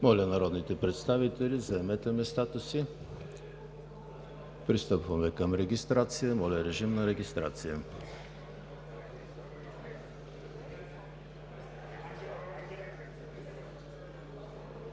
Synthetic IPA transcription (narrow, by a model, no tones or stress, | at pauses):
mɔlʲənɐɾɔd̪nit̪ɛpɾɛt̪st̪avit̪ɛlʲizɐɛmɛt̪ɛmɛst̪at̪əsi | pɾist̪ɤpvɐmɛkəmɾɛɡʲist̪ɾat̪sijəmɔlʲəɾɛʒimnɐɾɛɡʲist̪ɾa̰t̪sijə